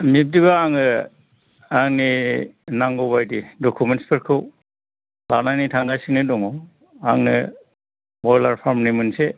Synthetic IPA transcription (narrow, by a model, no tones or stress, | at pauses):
mip̚diβaaŋɯ | aŋninaŋɡɔbajdidɔkʰumentspʰɯɾkʰɯw | lanajnitʰaŋɡajsiŋnɯdɔŋɔ | aŋnɯ | bɔjlaɾpʰaɾmnimɯnse